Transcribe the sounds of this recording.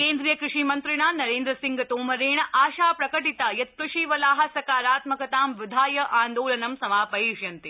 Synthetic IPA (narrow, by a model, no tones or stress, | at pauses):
keːnd̪ɾijɐkɾɪʂiːmɐnt̪ɾiɳaːnɐɾeːnd̪ɾɐsĩŋɡɐt̪oːmɐɾeːɳɐʔaːʃaːpɾɐkɐʈit̪aːjɐt̪̚kɐʃiːʋɐlaːɦɐsɐkaːɾaːt̪mɐkɐt̪aːmʋɪd̪ʱaːjɐʔaːnd̪oːlɐnɐmsɐmaːpɐɦiːʃjɐnt̪i